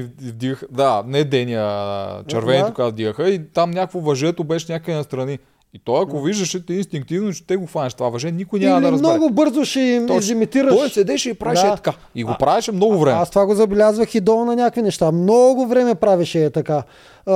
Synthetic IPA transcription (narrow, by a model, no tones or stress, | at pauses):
vd̪iɡəxd̪anɛd̪ɛniət͡ʃɛɾvɛnɛt̪kɡavd̪iɡəxəit̪amnʲjakkvovɐʒɛt̪obɛʃɛnʲakəinɐst̪ɾɐni | it̪ɔjɐkoviʒd̪ɐʃɛt̪inst̪iŋk̚t̪ivnot͡ʃɛ̥t̪ɛɡoxvanʲɐʃ̬ɛt̪ovavɐʒɛnikʊjnʲaamɐlɐɾɐzmnɔɡʊbɤɾzoʃɛimizimit̪iɾəɔʃsɛd̪ɛʃɛipɾavɛd̪ʃɛɐka | iɡopɾavɛʃɛmnɔɡʊvɾɛmɛast̪ovaɡozɐbɛlʲazvəxid̪ɔnɐnʲakvinɛʃt̪amnɔɡʊvɾɛmɛpɾaviʃɛːt̪ɐka